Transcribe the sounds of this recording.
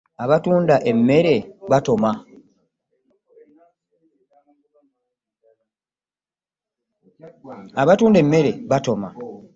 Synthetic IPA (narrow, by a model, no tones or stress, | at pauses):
aβatuːndaʔe̞mːe̞ɾe̞βato̞ma | aβatuːnde̞mːe̞ɾe̞βato̞ma̰